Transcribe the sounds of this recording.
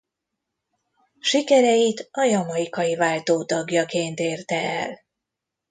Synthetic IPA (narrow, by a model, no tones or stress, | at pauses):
ʃikɛɾɛjit̪ɒjɒmɒjikɒjivaːlt̪oːt̪ɒɡjɒkeːnt̪eːrt̪ɛɛ̰l